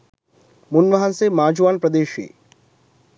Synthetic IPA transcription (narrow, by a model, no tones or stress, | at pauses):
mʊnʋɐɦansemaːd͡ʒuʋaːnpɾɐd̪eːʃḭː